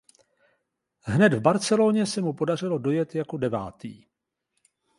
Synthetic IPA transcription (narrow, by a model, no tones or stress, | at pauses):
ɦnɛd̪vbaɾt͡sɛloːɲɛsɛmupo̞dar̝ɪlo̞do̞jɛt̪jako̞dɛva̰ːt̪ḭː